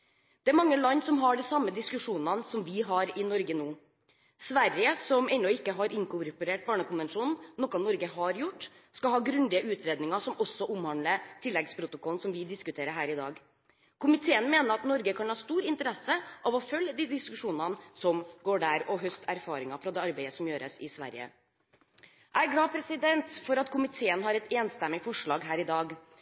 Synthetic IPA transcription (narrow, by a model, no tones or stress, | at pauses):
d̪̥ɛæɾmɑŋːəlɑnːsɔmɦɑɖɛsɑmːəd̪ɪskʉʂuːnɑnsɔmʋɪɦɑɾɪnɔɾɡənuː | sʋæɾjəsɔmɛnːɔɪkːəɦɑɾʔɪŋkʊɾpʊɾeːʈ̚bɑːɳəkʊnʋɛnʂuːnn̩nɔkːɑnɔɾɡəɦɑɾjʊʈː | skɑlɦɑːɡɾʉnd̪ɪəʔʉːt̪ʰɾeːd̪nɪŋɑʂɔmɔsːɔʔʊmhɑnlət̪ʰɪlːɛɡspʰɾʊt̪ʊkʰɔlnsɔmʋɪd̪ɪskʉt̪ʰeːɾəɾɦæːɾɪd̪ɑ̰ːɡ | kʰʊmɪt̪ʰeːənmeːnəɾɑt̪nɔɾɡəkʰɑnhɑːst̪uːɾɪnt̪əɾɛsːəʔɑʋɔfœljəd̪iːd̪ɪskʉʂuːnɑnsɔmɡoːɖæɾɔɦœst̪ʰæɾfɑːɾɪŋɑfɾɑd̪ɛːɑɾbeɪəsɔmjøːɾəsɪsʋæ̰ɾjə̰ | ʔæɾɡlɑːpʰɾɛsɪd̪ɛnt̪fɔɾɑt̪kʰʊmɪt̪ʰeːənɦɑɾɛt̪eːnst̪ɛmːɪfɔʂɭɑːɡɦæːɾɪd̪ɑːɡ